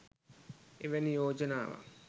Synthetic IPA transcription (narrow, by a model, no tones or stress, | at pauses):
eʋenijoːd͡ʒənaːʋa̰